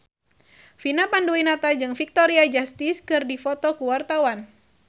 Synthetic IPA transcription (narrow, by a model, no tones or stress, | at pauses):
finapanduwinat̪ad͡ʒɨŋfik̚t̪ɔɾiad͡ʒast̪iskɨrdifɔt̪ɔkuwart̪awan